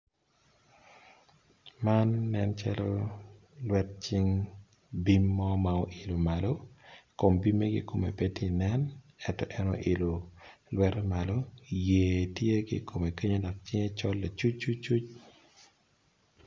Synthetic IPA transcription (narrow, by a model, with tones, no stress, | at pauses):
ma˦nːɛ˦nt͡ʃa̰˦lɔ̰˦ | lwɛ˦tt͡ʃɪ˦ŋ | bi˦mːɔ˦ma˨o˦ʔɪ˨lo˨ma˨lo˦ko˨mbi˦me˦ɡɪ̰˦ko˨mḛ˨pe˦ti˦˨nɛ˦n | ɛtɔ˨ʔɛ˦nɔ̰˨ʔɪ˨lo˨lwɛ˦tma˨lo˦jeː˨tje˦ɡɪ̰˦ko˨me˨ke˦ɲo˦da˨k̚t͡ʃɪ˦ŋe˦t͡ʃɔ˦lːa˨t͡ʃu˦t͡ʃːu˦t͡ʃu˦t͡ʃ